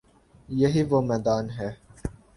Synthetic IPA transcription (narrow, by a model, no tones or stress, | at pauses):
jɛɦivomɛd̪ɑːnɦɛ